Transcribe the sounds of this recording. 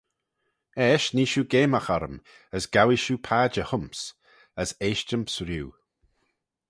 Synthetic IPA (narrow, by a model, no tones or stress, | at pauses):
ɛːʃniːʃuːɡeːməxɔɾə̰m | əsɡ̥awiʃuːpʰaːd͡ʒəhʊmps | əseːʃt͡ʃəmpsɾjuː